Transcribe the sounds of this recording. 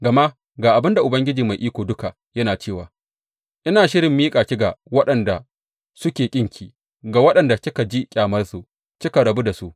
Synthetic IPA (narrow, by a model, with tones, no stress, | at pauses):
ɡɐ˨ma˦ | ɡaː˨ʔa˨bɪ˦nda˨ʔʊ˨bɐ˦ŋɡʲɪ˦d͡ʒiː˨ma˨jʔiː˦kʷoː˨dʊ˦ka˨ | jɐ˦naː˨t͡ʃeː˦˨wa̰ː˨ | ʔɪ˦naː˨ʃɪ˦ɾɪ˨mːiː˦kʼaː˨kʲɪ˦ɡa˨wɐ˦ɗɐ˨nda˨ | sʊ˦kʲeː˨kʲʼɪ˦ŋkʲiː˨ | ɡa˨wɐ˦ɗɐ˨nda˨sʲɪ˦ka˨d͡ʒi˦kʲʼaː˨mɐ˦rsu˨ | kʲɪ˦ka˨ɽɐ˨bu˦da˨su˦ʔ